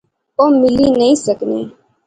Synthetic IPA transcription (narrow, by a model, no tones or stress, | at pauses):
oːmɪliːnəĩːsəknḭː